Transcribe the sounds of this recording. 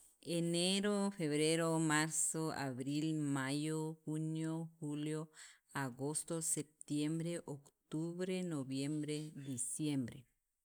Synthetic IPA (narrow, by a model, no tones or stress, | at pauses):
eneɾofeβɾeɾomaɾsoa̰βɾilmajoxunjoxuljo | aɣost̪osep̚t̪jembɾeʔokt̪uβɾenoβjembɾed̪isjembɾḛ